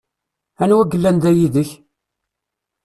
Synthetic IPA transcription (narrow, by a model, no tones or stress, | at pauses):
ænwæɡːəlːænd̪æjiðəç